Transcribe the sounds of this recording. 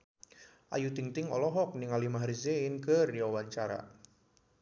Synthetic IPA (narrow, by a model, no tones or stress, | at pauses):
ʔa̰jut̪iŋt̪ɪŋɔ̰lɔɦɔk̚nɪŋalimaɦaɾiseɪnkərjawaɲt͡ʃaɾa̰